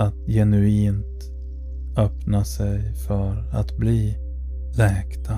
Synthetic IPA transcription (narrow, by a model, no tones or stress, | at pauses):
at̪jɛnɵiːnt̪ | œpnasɛjfœɾa̰t̪bliː | lɛːkt̪ʰa